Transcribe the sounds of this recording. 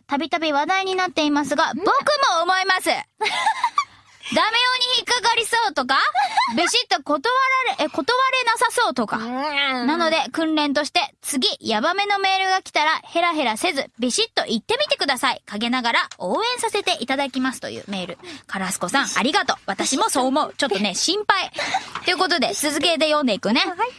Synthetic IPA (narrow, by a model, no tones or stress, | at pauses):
t̪abʲit̪abʲiβad̪aiɲ̟inat̪ːe̞imasɨɡabo̞kɯ̟mo̞ːmo̞imasɨ | d̪amejo̞ːɲ̟içikːaɡaɾʲiso̞ːt̪o̞kabʲiɕit̪ːo̞kot̪oβaɾɾko̞t̪o̞βaɾe̞nasaso̞ːt̪o̞ka̰nano̞d̪e̞kɯ̟̃nɾẽ̞nt̪̬o̞ɕi̥t̪e̞t͡sɨɡʲijabame̞no̞me̞ːɾɯ̟ɡakʲi̥t̪aɾahe̞ɾaɦe̞ɾase̞zɨbʲiɕit̪ːo̞ʔit̪ːe̞mʲit̪e̞kɯ̟d̪asaikaɡe̞naɡaɾao̞ːẽ̞ɰ̃sase̞t̪e̞ʔit̪ad̪akʲimasɨ̥t̪o̞̰jɯ̟̰ːme̞ːɾɯ̟̰kaɾasɨ̥ko̞sãa̰ɾʲiɡat̪o̞βat̪aɕimo̞so̞ːmo̞ɯ̟t͡ɕot̪ːo̞ne̞ɕĩmpait̪o̞jɯ̟ko̞t̪̬o̞d̪e̞sɨzɨke̞d̪e̞jõ̞nd̪eikɯ̟ne̞